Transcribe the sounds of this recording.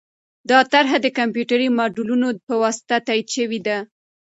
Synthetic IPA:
d̪ɑt̪aɾɦad̪əkampjuʈaɾimɑɖulunopəwɑsɪ̥t̪at̪ɑid̪ʃəwid̪a

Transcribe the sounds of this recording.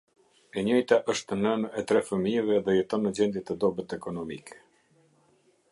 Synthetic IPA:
ɛɲɔjt̪aʔəʃt̪ənənɛt̪ɾɛfəmiɛvɛðɛjɛt̪ɔnːəd͡ʑɛnd̪jɛt̪əd̪ɔbət̪ɛkɔnɔmḭkʰɛ̥

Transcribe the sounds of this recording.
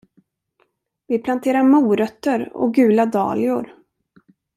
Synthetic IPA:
vɪpʰlant̪ʰeːɾaɾmuːɾœt̪ːəɾɔ̰ɡʉ̟ːlad̪ɑ̰ːlɪʊɾ

